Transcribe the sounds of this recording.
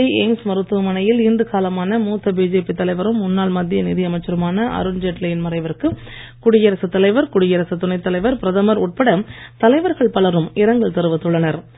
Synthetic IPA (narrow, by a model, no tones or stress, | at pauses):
ɐɪeːŋsmɐɾɯt̪ːɯʋɐmɐnɐjɪlniːndɯkaːlɐmaːnɐmuːt̪ːɐbiːd͡ʒeːpit̪ːɐlɐɪʋɐɾɯmːʊnːaːɭmɐd̪ːɪjɐnɪðɪɐmɐɪt͡ʃːɐɾɐmaːnɐʔɐ̰ɾɯnd͡ʒɛʈlɐjɪnmɐɾɐɪʋɐɾkɯ | kʊɽɪjɐɾɐsɯt̪ːɐlɐɪʋɐɾkʊɽɪjɐɾɐsɐt̪ʊnɐɪt̪ːɐlɐɪʋɐɾpɪɾɐðɐmɐɾʊʈ̚pɐɽɐt̪ɐlɐɪʋɐɾɣɐɭpɐɭɐɾɯmɪɾɐŋɡɐɭt̪ɛɾɯʋɐt̪ːɯɭːɐnɐɾ